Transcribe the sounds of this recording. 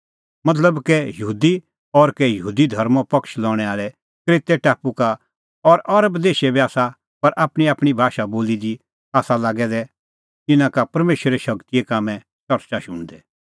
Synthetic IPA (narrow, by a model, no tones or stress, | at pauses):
mɐt̪̬ləbkɛjɐɦuːd̪i | ɔɾkɛjɐɦuːd̪id̪ʱɐɾmɔ̃pɐkʃlɔ̃ːɽ̃ɛaːlɛ | kɾeːt̪ɛʈaːpuka | ɔɾʔɐɾəbd̪eːʃɛbiaːsa | pɐɾʔaːpɽ̃iaːpɽ̃ibʱaːʃaboːlid̪i | aːsalaːɡɛd̪ɛ | t̪ɪnãkapɐɾmeːʃɾeʃɐkt̪ijekaːmɛ̃ | t͡ʃɐɾt͡ʃaʃʊ̃ɽ̃d̪ɛ